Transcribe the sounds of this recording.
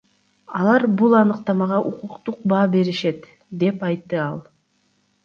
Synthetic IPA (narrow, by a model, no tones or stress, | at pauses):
ɑlˠɑɾbulˠɑnɯqt̪ɑmɑʁɑʔuquqt̪uq̚bɑːbe̞ɾiʃe̞t̪ | d̪e̞pɑjt̪ːɯɑlˠ